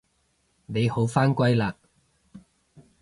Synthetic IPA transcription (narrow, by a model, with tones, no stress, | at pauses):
ne˨˧jho˨˥wfaː˥nkʷɐ˥jlaː˧